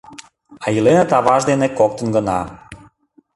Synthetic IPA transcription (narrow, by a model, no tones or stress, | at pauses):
ɑjilenət̪ɑβɑʒd̪enekok̚t̪ənɡənɑ